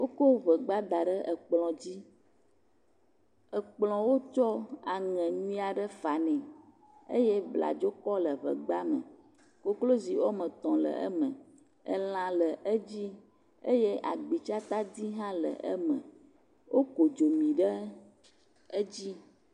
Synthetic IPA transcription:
wo˦ko˦βə˨ɡ͡ba˦d̪a˨ɖə˦ʔə˨k͡plɔ̃˨d͡ʑi˦ | ə˨k͡plɔ̃˨wo˦t͡ʃɔ˦a˨ŋɛ̃˨ɲũ˦a˨ɖə˦fa˨nɛ̃˨ | ḛ˦jɛ˦bla̰˨d͡ʒo˦kɔ˦lə˨βə̰˨ɡ͡ba˦mə̰̃˨ | ko˦klo˦zi˨wo˦mə̃˨t̪ɔ̃˨lə̰˨ʔə̰˦mə̃˨ | ə̰˨lã˨lə˨ʔə˦d͡ʑi˦ | e˦je˦ʔa˨ɡ͡bi˨t͡ʃa˦t̪a˦d̪i˦ɦã˦lə̰˨ʔə̰˦mə̰̃˨ | wo˦ko˨d͡ʒo˨mĩ˨ɖə˦ | ə˦d͡ʑi˦

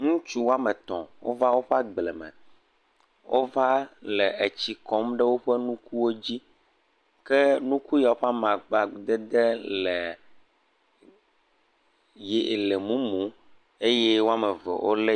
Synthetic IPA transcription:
ŋũ˦t͡ʃu˦wo˦a˦mɛ˨t̪ɔ̰̃˨wo̰˦va˦wo˦ɸa˦ɡ͡blɛ˨mɛ̰̃˨ | wʔo˦va˦lɛ˨ʔe˨t͡ɕi˨kɔ˦mɖɛ˦wo˦ɸɛ˦nũ˦ku˦wo˦d͡ʑi˦ | kɛ˦nũ˦ku˦ja˨wo˦ɸa˦mã˨ɡ͡ba˨d̪ɛ˦d̪ɛ˦lɛ˨ | je˨le˨mũ˦mũ˨˦ | e˦je˦wo˦a˦mɛ˨vɛ̰˨wo̰˦le˦

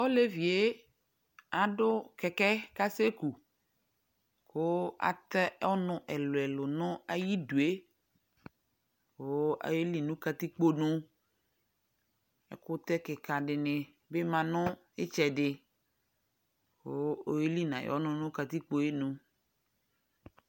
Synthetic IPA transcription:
o˦le˦vi˨e˦ | a˨ɖʊ˦kɛ˨kɛ˦ka˦se˦ku˨ | ko˦a̰˨t̪ɛ˦ɔ˦nʊ̃˨ʔɛ˨lo˨ɛ˨lʊ˨nʊ̃˦a˦ji˦du˨e˦ | wo˦a̰˨je˦li˦nũ˦ka˦t̪i˦k͡po˦nũ˦ | ɛ̰˨kʊ˦t̪ɛ˦kɛ˨ka˨ɖɪ˨nɪ̃˨ | be˦mã˨nʊ̃˦ | e˦t͡ʃɛ˨ɖɪ˨ | o˦o˦e˦li˦nã̰˨jɔ̰˦nʊ̃˦nʊ̃˦ka˨t̪i˦k͡po˦je˦nũ˦

